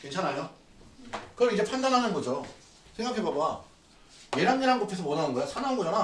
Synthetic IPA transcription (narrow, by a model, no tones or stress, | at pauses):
ke̞nt͡ɕʰanajo | kɯʌɾid͡ʑe̞pʰandanɦanɯnbod͡ʑo | sʰe̞ŋɡakʰe̞boɡa | je̞ɾanɲiɾanɡopʰesʰʌmwʌnanɯnɡʌejosʰananɡod͡ʑana